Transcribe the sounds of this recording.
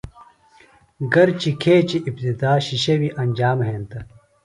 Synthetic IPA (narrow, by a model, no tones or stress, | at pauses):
ɡɐɾt͡ɕikʰeːt͡ɕiʔːp̚t̪id̪aːɕiɕɐwiʔɐnʲd͡ʑaːmɦeːnt̪ɐ